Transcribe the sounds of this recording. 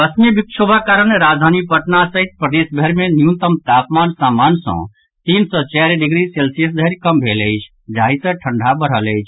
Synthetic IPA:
bəsnjəbikʃʰobʱakaɾəɽeɾaːd͡ʒd̪ʱaːnipəʈnasəɦit̪̚pɾəd̪esbʱəɾmẽnjũt̪əmt̪aːpmaːnsaːmaːnsɔ̰̃ | t̪iːnsɔt͡ʃɛːɾɖɪɡɾiselsijəs̬d̪ʱəɾkəmbʱelət͡ʃʰ | d͡ʒaːɦisə̃ʈʰəɳɖʱabəɽ̤ələjt͡ʃʰ

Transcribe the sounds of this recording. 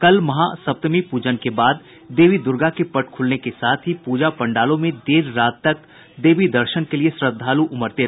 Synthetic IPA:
kɐlmɐɦasɐb̚t̪əmipuːd͡ʒənkebaːd̪ː | eːʋid̪ʊɾɡakepɐʈkʰʊlnekesaːt̪ʰɦipuːd͡ʒapɐ̃ɳɖaːlõmẽd̪eːɾːaːt̪ːɐk̚ | d̪eːʋid̪ɐɾʃənkeliesɾəd̪d̪ʱːaːluʔʊməɾt̪e

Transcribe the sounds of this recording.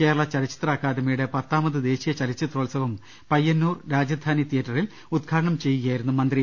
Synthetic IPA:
ke̞ːɾɐɭɐt͡ɕɐɾit͡ɕːi̥t̪raːkːaːd̪ɐmɐjuɽe̞pɐt̪ːaːmɐðɨd̪e̞ːɕijɐt͡ɕɐɾit͡ɕːit̪roːɭsɐʋɐm | pɐjːɐnːuːrɾaːd͡ʑɐd̪ʱaːnit̪ijɐtːɐril | ud̪̚kʰaːɾɐɳɐmt͡ɕe̞jːuɣɐjaːjiɾunːumɐnd̪ri

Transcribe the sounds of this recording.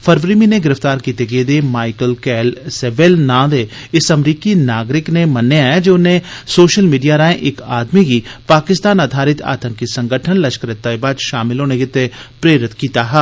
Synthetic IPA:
fʰəɾʋɾiːminẽɡɪɾəft̪aːɾkiːt̪eɡeːd̪emaːɪkəlkɛːlseːʋeːlnãːd̪e | ɪsɐmɾiːkinaːɡɾɪknemɐnːeaːjad͡ʒoːʊnẽsoːʃəlmiːɖijaɾaːẽʔɪkaːd̪miɡipaːkɪst̪aːnaːd̪ʱaːɾɪt̪a̰ːt̪ə̃ŋkisə̃ŋɡʱəʈʰənlɐʃkɾɪt̪ːaːibaːd̪ʃaːmɪlõːneɡɪt̪epɾeːɾɪt̪kiːt̪aɦɛː

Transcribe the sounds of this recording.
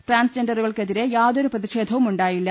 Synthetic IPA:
ʈraːnst͡ɕenɖɐruɣɐɭkeðiɾejaːðo̞ɾuprɐðiʂeːd̪ʱɐʋumuɳɖaːjilːɐ

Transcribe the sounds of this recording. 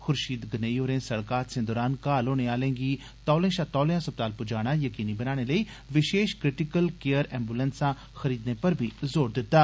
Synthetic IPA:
xʊɾʃiːd̪ɡəneioːɾẽːsɐɽkaːt̪sẽːd̪ɔːɾaːnkaːloːneaːlẽːɡiː | t̪ɔːlẽːʃaːt̪ɔːlːãsɐp̚t̪aːlpʊd͡ʒaːɽ̃aːjəkiːnibənaːɽ̃eləi | ʋɪʃeːʃkɾɪʈɪkəlkejəɾɛ̰̃ːmbuːlənsãː | xəɾiːd̪nepəɾbʱizoːɾd̪ɪt̪ːaː

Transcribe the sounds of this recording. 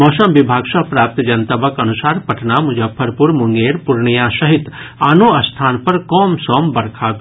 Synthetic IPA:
mɔːsɐmʋɪbʱaːɡʃɐpɾaːp̚t̪d͡ʒɐnt̪ɐbɐkɐnusaːɾpɐʈʰnamʊd͡ʒɐpʰːɐɾpʊɾmʊŋɡeːɾpʊɾɳijãːʃɐɦɪt̪aːnoːɐst̪ʰaːnpɐɾkɔːmsɔːmbɐɾkʰaːk

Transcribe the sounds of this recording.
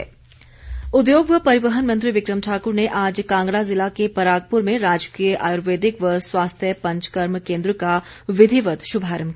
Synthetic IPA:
ʊd̪joːɡʋəpɐɾɪʋəɦənmɐ̃nt̪ɾiʋɪkɾəmʈʰaːkʊɾneʔaːd͡ʒkãːŋɡɽazɪlakepəɾaːɡ̚pʊɾmẽɾaːd͡ʒkijəʔaːjuɾʋeːd̪ɪkʋəswaːst̪ʰjəpɐ̃ɲt͡ʃkəɾmkẽːnd̪ɾəkaʋɪd̪ʱiʋət̪ʃʊbʱaːɾəmk

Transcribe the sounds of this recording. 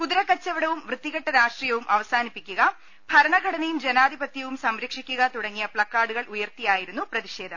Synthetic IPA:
kuðɾɐkːɐt͡ɕːɐʋiɽɐʋumʋrɨt̪ːiɣɐʈːɐɾaːʂʈrijɐʋumʔɐʋɐsaːnipːikʲːuɣɐ | b̥ʱɐɾɐɳɐɡʱɐɽɐnejumd͡ʑenaːd̪ʱibɐt̪jɐʋumsɐmɾekʂikʲːuɣɐt̪uɽɐŋːijɐpɭɐkːaːɽuɣɐɭujɐrt̪ijaːjiɾunːuprɐðiʂe̞ːd̪ʱɐm

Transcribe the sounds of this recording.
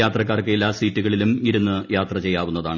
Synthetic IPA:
aːt̪rɐk̬ːaːrkːeilːaːsiːtːuɣɐɭilumiɾunːɨjaːt̪rɐt͡ɕe̞jːaːʋunːɐðaːɳ

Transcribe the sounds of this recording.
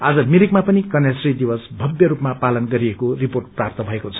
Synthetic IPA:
ad͡zʌmiɾikmapʌnikʌnjasrid̪ibʌsbʱʌbjʌɾupmapalʌnɡʌɾiekoriporʈ̚prapt̪ʌbʱʌekot͡sʰʌ̥

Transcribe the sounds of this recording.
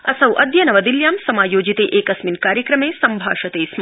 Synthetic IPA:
ɐsɐwʔɐd̪jɐnɐʋɐd̪iljaːmsɐmaːjoːd͡ʒit̪eːʔeːkɐsminkaːɾjɐkɾɐmeːsɐmbʱa̰ːʃɐt̪eːsm

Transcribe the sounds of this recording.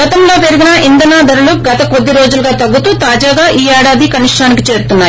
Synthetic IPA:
ɡɐt̪ɐmloːpeɾuɡinɐʔind̪ɐnaːd̪ɐɾuluɡɐt̪ɐko̞d̪ːiɾo̞ːd͡ʒuluɡaːt̪ɐɡːut̪uːt̪aːd͡ʒaːɡaːʔiːɛːɽaːd̪ikɐniʂʈaːnikit͡ʃe̞ːɾt̪unːaːj

